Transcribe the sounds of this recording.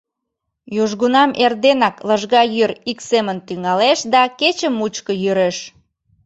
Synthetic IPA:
juʒɣunɑmʔerd̪enɑkləʒɣɑjyɾiksemənt̪yŋɑleʃd̪ɑket͡ɕəmːut͡ɕkəjyɾeʃ

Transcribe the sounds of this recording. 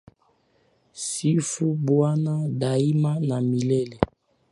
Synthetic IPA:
sifubwanadaimanamilɛlɛ

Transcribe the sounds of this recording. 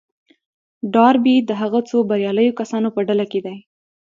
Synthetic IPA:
ɖɑɾbid̪əɦaɣat͡sobaɾjɑləjokasɑnopəɖalaked̪aj

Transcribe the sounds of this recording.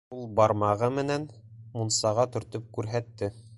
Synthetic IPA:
ulˠbɑɾmɑʁɤmɘ̆næn | munsɑʁɑt̪ɵ̆ɾt̪ɵp̚kʉɾɦæt̪ːɘ

